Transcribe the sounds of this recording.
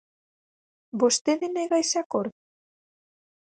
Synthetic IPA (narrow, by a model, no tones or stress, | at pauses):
bost̪eðenejɣajsakoɾt